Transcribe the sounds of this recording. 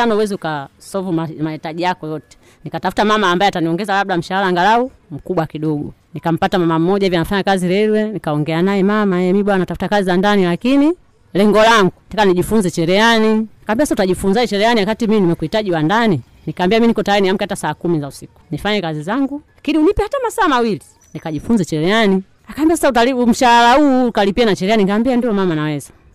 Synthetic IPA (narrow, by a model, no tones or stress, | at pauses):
anauwɛziukasɔvuamahitaʄijakɔjɔtɛ̥ | nikatafu̥tamamaːmbaɛataniɔŋɡɛzalaɓ̚ɗam̩ʃahalaːŋɡalau | m̩kuɓwakiɗɔɡunikam̩patamamam̩ːɔɟaɛvjanafaɲakaziɾɛɾwɛnikaɔŋɡɛanajɛmamajɛmiɓwanatafutakazizandanilakini | lɛŋɡɔlaŋɡutakaniʄifunzɛt͡ʃɛɾɛaniakaːmbiasasautaʄifunzaɛt͡ʃɛɾɛaniakatiminimɛkuhitaʄiwandani | nikambiaminikɔtaaɾiniam̩kɛhatasaːkumizausiku̥nifaɲɛkazizaŋɡulakiniunipɛhatamasaːmawili | nikaʄifunzɛt͡ʃɛɾɛani | akaːmbias̬asautalium̩ʃaalauːkalipianat͡ʃɛɾɛaninkaːmbiandilɔmamanawɛza